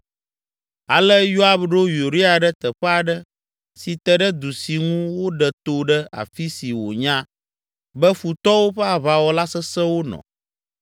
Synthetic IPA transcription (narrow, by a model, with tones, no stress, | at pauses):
a̰˨lə˦ju˦a˦bɖo˦ju˨ɾi˦a˨ɖɛ˦t̪ə˨ɸɛ˦a˨ɖə˦ | si˨t̪ɛ˨ɖə˦d̪u˨si˨ŋũ˦wo˦ɖɛ˨t̪o˨ɖɛ˦a̰˨fi˦si˨wo̰˨ɲã˦ | bɛ˦fu˨t̪ɔ˦wo˦ɸɛ˦a˨βa˨wɔ˦la˦sɛ˦sɛ˦wo˦nɔ̰̃˨